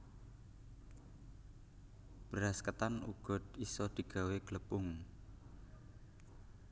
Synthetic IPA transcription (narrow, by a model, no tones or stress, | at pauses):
b̥əɾaskət̪anṵɡ̥ɔ̤d̪isɔd̪̥i̤ɡ̥a̤weɡ̥ələpʊŋ